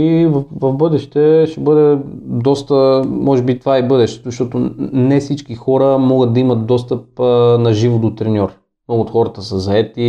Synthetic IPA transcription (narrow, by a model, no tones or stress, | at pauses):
ivɐvɐvbɤd̪ɛʃt̪ɛʃɛbɤd̪ɛd̪ɔst̪əmɔʒɛbit̪ovaibɤd̪ɛʃt̪ɛ̥t̪ʊzʃt̪ɔt̪onɛfsit͡ʃkixɔɾəmɔɡət̪̚d̪ɐimɐt̪̚d̪ɔst̪əp̚ːnɐʒivod̪ot̪ɾɛnʲɔɾ | mnɔɡʊoːt̪xɔɾət̪əsəzɐɛt̪i